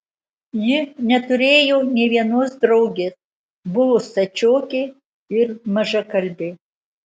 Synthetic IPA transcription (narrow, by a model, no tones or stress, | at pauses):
jɪnʲɛt̪ʊɾʲeːjoːnʲɛʋʲiɛnoːsd̪ɾɐʊɡʲeːs | bʊʋost̪ɐt͡ʃʲoːkʲɪ | ɪɾmɐʒɐkɐlʲbʲɪ